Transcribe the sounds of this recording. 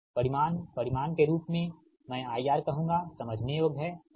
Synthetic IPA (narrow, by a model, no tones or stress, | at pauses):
pɐɾɪmaːnpɐɾɪmaːnkeɾuːpmẽ | mɛ̃ːaːijaːɾkɐɦũːŋɡasɐməd͡ʒʱnejoːɡɦɛː